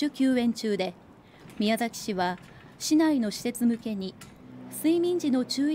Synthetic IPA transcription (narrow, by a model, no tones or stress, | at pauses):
ɨkʲɨːẽ̞ɲ̟t͡ɕɨːd̪e̞ | mʲijazakʲi̥ɕiβa | ɕinaino̞ɕi̥se̞t͡sɨmɯ̟ke̞ɲ̟i | sɨimʲĩɲ̟d͡ʑino̞t͡ɕɨː